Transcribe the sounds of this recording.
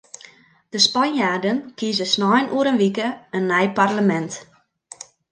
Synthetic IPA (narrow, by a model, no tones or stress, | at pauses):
d̥əspanjardənkizəsnɔjnʔuəɾənʋikəənːɛjparləmɛnt